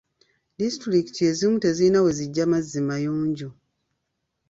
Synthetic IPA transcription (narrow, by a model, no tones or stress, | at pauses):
distɾiki̥tie̞zimute̞zinawe̞ziɟːamazːimajuːɲɟu